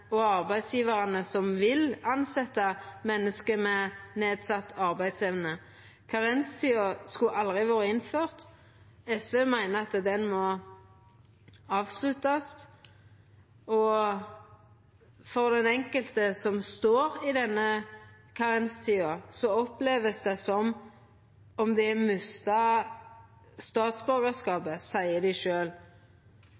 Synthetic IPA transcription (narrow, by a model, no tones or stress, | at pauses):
ɔɑʁbæɪd̪sjiːʋəʁɑnəsɔmʋɪlɑnsɛt̪ːəmɛnːəskəmɛneːd̪sɑt̪ːɑʁbæɪd̪sɛʋnə | kʰɑʁɛnst̪ʰiːɑskʉʔɑld̪ʁɪʋoːʁəɪnføːʁt̪ | ɛsʋeːmæɪnəɑt̪d̪ɛnmɔ | ɑːʋslʉt̪ɑs | ɔ | fɔʁd̪ɛnɛŋkəlt̪əsɔmst̪oːɾɪd̪ɛnːə | kʰɑʁɛnst̪ʰiːɑsɔɔpleːʋəsd̪ɛsɔm | ɔmd̪ɛæmʉst̪ɑ | st̪ɑːt̪sbœɾɡəskɑːbəsæɪəd̪æɪʃøːl